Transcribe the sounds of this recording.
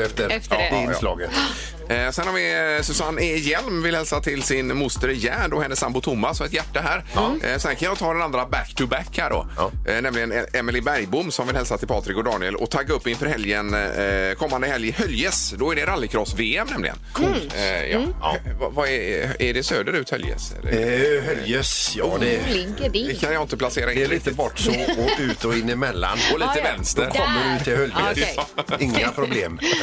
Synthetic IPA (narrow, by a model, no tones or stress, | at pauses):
ɛfɪn̰ːlɑ̰ːɡət̪ | sɛnːɔmvɪsʉsanːɪjɛlmvɪlhɛlsat̪ʰɪlsɪnmʊst̪əɾjæːɖɔhɛnːəsːambʊt̪ʰʊmːasɔmɛt̪jæʈːaɦæːɾsɔɛnkʰanjɔt̪ʰɑːd̪ɛnand̪ɾabækt̪ʰɵbækhæɖɔ̰nɛmlɪɡənɛɛmɪlɪbæɾjbʊmːsɔmvɪlhɛlsat̪ʰɪlpʰɑːt̪ɾɪkɔd̪ɑːnɪɛlɔ̰t̪ʰaɡːaɵpːɪnfœːɾɦɛljənkʰɔmːand̪əhɛljɪhœljəsd̪ɔæɖɛɾalːɪkʰɾɔsveːɛmnɛmlɪ̰ɡə̰nkʰjɑ̰ːvvaɛæɖɛsøːd̪əɾʉ̟ːt̪hœljə̰sɛ̰lːə̰hœjəsjɑd̪ɛ | ɛkʰanjaɪnt̪əplaseːɾaɪnɛliːt̪əbɔʈːsɔɔʉ̟ːt̪ɔɪnːɪmɛlːa̰nɔliːt̪əvɛnst̪əɾkʰɔmːənʊnt̪ʰɪhœljə | ɪŋːapʰɾʊbleːm